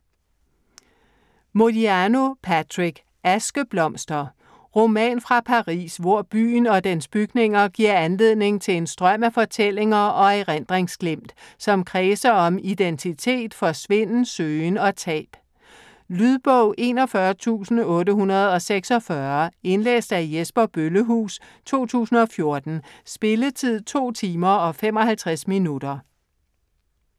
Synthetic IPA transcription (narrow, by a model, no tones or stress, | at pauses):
mo̝diæno̝pʰæt͡sʰʁiɡ̥ | æsɡ̥əb̥lɒ̽m̰sd̥ɐ | ʁo̝mɛ̰ːnfʁɑ̈pʰɑ̈ʁḭːsʋɒɐ̰b̥y̰ːn̩ɒ̽d̥ensb̥yɡ̥ne̝ŋɐɡ̥iɐ̰ænle̝ð̞̰ˠne̝ŋt͡sʰe̝le̝nsd̥ʁɶm̰æfɒ̽t͡sʰel̰e̝ŋɐɒ̽eʁen̰d̥ʁeŋsɡ̥lem̰d̥sɒ̽mkʰʁɛːsɐɒ̽mid̥ent͡sʰit͡sʰe̝̰ːd̥fɒ̽sʋe̝n̰n̩søːnɒ̽t͡sʰɛ̰ːb̥ | lyð̞ˠb̥ɔʊ̰ʔe̝ːnɒ̽fɶɐt͡sʰṵːsn̩ɔ̽ːɾəɦunɐð̞̩ˠɒ̽seɡ̥sɒ̽fɶɐe̝nlḛːsd̥æjesb̥ɐb̥øləɦṵːs | t͡sʰo̝̰ːt͡sʰṵːsn̩ɒ̽fjo̝ɐd̥n̩sb̥e̝lət͡sʰið̰ˠt͡sʰo̝̰ːt͡sʰiːmɐɒ̽fem̰ɒ̽hælt͡sʰʁasminud̥ɐ